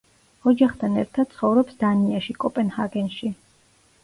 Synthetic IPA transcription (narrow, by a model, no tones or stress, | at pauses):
ɔd͡ʒaχt̪ʰanɛ̰ɾt̪ʰad̪̚t̪sʰχɔvɾɔpsd̪aniaʃikʼɔpʼɛnhaɡɛnʃi